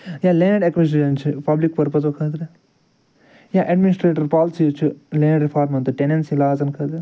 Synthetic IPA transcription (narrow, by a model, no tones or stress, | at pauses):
jaːlenɐɖekʋis̬iʃɐnt͡ʃʰupɐblikpɐɾpɐsokʰaːd̪ɾe | jaːʔɐɖminisʈɾeːʈɐɾpaːlsit͡ʃʰulenɐɖɾipʰaːɾmɐnt̪uʈenensilaːzɐnkʰaːd̪ɾe